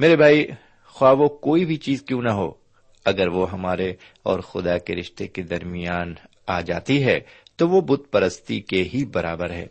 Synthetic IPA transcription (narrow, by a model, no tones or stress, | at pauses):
meːɾebʱaːi | xwaːʋokoːibʱit͡ʃiːzkjũːnɐɦo̰ː | ɐɡəɾʋoɦɐmaːɾe | ɔ̰ːɾxʊd̪akeɾɪʃt̪eked̪ɐɾmijaːn | aːd͡ʒa̰ːt̪iɦɛ̰ːt̪oʋobʊt̪̚pɐɾəst̪ikeɦibɐɾaːbəɾɦɛ̰ː